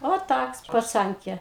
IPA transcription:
oː ˈtɐks pɐˈt͡sɐŋʲkʲeː

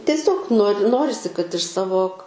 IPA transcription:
tʲiɛˈsʲoːk noːrʲ ˈnoːrʲɪsʲɪ kɐt ɪʃ ˈsɑːʋoː

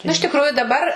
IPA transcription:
nʊ ɪʃ tʲɪkˈrʊjʊ dɐˈbɐr

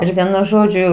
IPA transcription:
ˈɪr ˈʋʲiɛnʊ ˈʒoːd͡ʒʲʊ

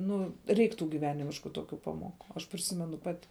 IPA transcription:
ˈnʊ ˈrʲɛɪk ˈtuː ɡʲiːˈʋʲæːnʲɪmʲɪʃkʊ ˈtoːkʲʊ ˈpɑːˌmoːˌkʊ ɐʃ pʲrʲɪˈsʲɪmʲɛnʊ ˈpɑːtʲɪ

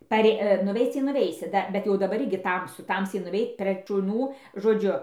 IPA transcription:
pɐˈrʲeː nʊˈʋʲɛɪt͡s tɐɪ nʊˈʋʲɛɪsʲɪ ˈdɐ bʲɛt jɛʊ dɐˈbɐr ˈɪrʲɡʲɪ ˈtɐmsʊ ˈtɐmʲsʲɛɪ nʊˈʋʲɛɪt ˈpʲrʲeːk ʃʊˈnuː ʒoːˈd͡ʒʲʊ

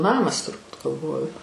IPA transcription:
ˈnɑːmɐs tʊrˈbuːt ɡɐlˠˈʋoːjʊ

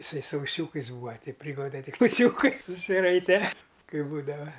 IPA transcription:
ɪˈsɐɪ sʊ ʊˈsʲuːkɐɪs ˈbuːʋɐ ˈtʲɛɪ ˈpʲrʲiːɡlˠɐʊdʲɛ tʲɪk ʊˈsʲuːkɐɪ sʊsʲɪˈrɐɪtʲɛ ˈkɐɪ ˈbuːdɐʋɐ

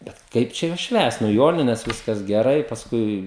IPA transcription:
bʲɛt ˈkɐɪp t͡ʃʲɛ juɔs ˈʃʲʋʲæːst nʊ ˈjoːnʲɪnʲɛs ˈʋʲɪskɐs ɡʲɛˈrɐɪ pɐsˈkʊɪ

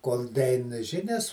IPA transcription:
koːlˠ dɐˈɛɪn ˈʒʲɪnʲɛs

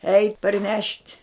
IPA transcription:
ɛɪtʲ pɐrʲˈnʲɛʃʲtʲ

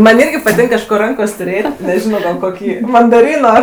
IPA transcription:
ˈmɐnʲ ˈɪrʲɡʲɪ pɐˈtʲɪŋk kɐʃˈkoː ˈrɐŋkoːsʲ tʊˈrʲeːtʲ nʲɛˈʒʲɪnoː ɡɐlˠ ˈkoːkʲiː mɐndɐˈrʲiːnoː

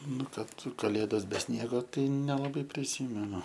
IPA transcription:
ˈnʊ ˈkɐt kɐˈlʲeːdoːs bʲɛ ˈsʲnʲiɛɡoː ˈtɐɪ nʲɛlˠɐˈbɐɪ pʲrʲɪˈsʲiːmʲɛnʊ

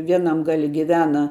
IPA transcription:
ˈʋʲiɛnɐm ˈɡɑːlʲɪ ɡʲɪˈʋʲæːnɐ

